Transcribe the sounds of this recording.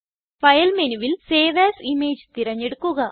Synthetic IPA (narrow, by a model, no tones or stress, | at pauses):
fɐjɐlmenuʋilseːʋeːsimeːd͡ʑt̪iɾɐɲːeɽukːuɣɐ